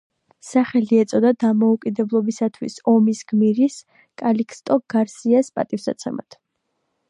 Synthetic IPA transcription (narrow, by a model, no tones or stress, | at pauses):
saχɛliɛt̪sʼɔd̪ad̪amɔukʼid̪ɛblˠɔbisat̪ʰwḭsɔmisɡ̥miɾis | kʼalikʰʼst̪ʼɔɡ̥aɾsiaspʼa̰t̪ʼifsa̰t̪sʰɛma̰t̪ʰ